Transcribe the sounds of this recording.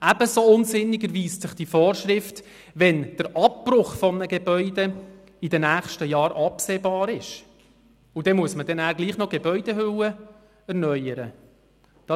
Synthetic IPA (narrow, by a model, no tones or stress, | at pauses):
æb̥əsoʊnzɪnːɪɡəɾʋiːssɪχd̥ifoːɾʃɾɪft | ʋɛnd̥əɾʔɑp̚prʊχfɔmnəɡebœʏd̪ɛ | idənæːχʃtəjɑːɾʔɑpseːbɑːɾɪʃ | ʊd̥ɛmuəsmədɛnæːɾɡliːχnɔɡ̥ebœʏd̥ehʏwə | ɛɾnœʏəɾə̰ | d̥ɑ